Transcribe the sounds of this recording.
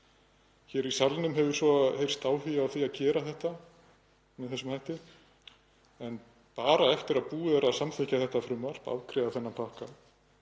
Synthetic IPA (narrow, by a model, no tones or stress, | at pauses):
çɛɾisalnʏmɦɛvʏɾ̥svɔhejr̥st̪aːwhijawθiaðcɛːɾaθɛht̪a | mɛðθɛsʏmhajht̪ɪ | ɛn | paːɾaɛft̪ɪɾaðpuːɛɾaðsamθɪcaθɛht̪afɾʏmːaɾ̥pa̰wkʰɾɛðaθɛnːapʰahka